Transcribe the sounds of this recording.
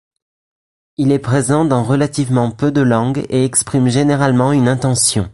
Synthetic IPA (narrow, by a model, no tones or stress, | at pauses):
ilɛpχezɑ̃d̪ɑ̃ʁəlat̪ivmɑ̃pød̪əlɑ̃ɡeɛkspχimʒeneʁalmɑ̃ynɛ̃t̪ɑ̃sjɔ̰̃